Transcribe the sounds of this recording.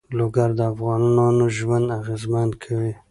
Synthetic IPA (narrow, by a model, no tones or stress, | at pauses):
loɡaɾd̪əafɣɑnɑnɑnoʒwand̪aɣezmankʰawi